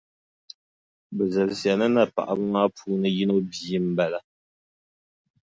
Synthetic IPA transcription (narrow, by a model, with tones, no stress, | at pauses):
bə˨zɛ˨lsja˨nə˦na˦˨pa̰˨ʔa˨bŋa˦puː˦nɨ˦ji˦no˦bi˨i˦m̩˦bɛ˨la˦˨